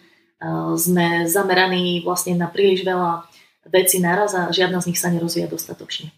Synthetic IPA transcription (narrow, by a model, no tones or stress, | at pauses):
zmɛzamɛɾaniːʋlasɲɛnapɾiːliʒʋɛla | ʋɛt͡sinaɾazaʒɪad̪nazɲixsaɲɛɾɔzʋiːjad̪ɔst̪at̪ɔt͡ʃɲɛ